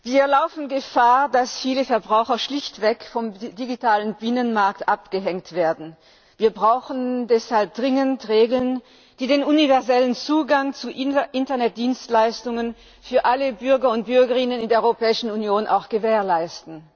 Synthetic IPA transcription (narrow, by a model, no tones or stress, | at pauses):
viːɐlaʊfn̩ɡəfaːɐdasfiːləfɛɐbʁaʊxɐʃlɪçtv̥ɛkfɔmdiɡitʰaːlənbɪnənmaɐk̚tʔapɡ̥əɦɛŋtv̥eːɐdn̩ | viːɐbʁaʊxn̩dɛshalp̚d̥ʁɪŋəntʁeːɡl̩n | d̥iːdeːnunivɛɐzɛlənt͡suːɡaŋt͡suʔʔɪntɐnɛt̚d̥iːnstlaɪstʊŋən | fyːɐʔaləbʏɐɡɐʊnt̚b̥ʏɐɡɐʁɪnənɪndeːɐʔœʏopɛːɪʃn̩unjoːnʔa̰ʊxɡ̥əveːɐlaɪstn̩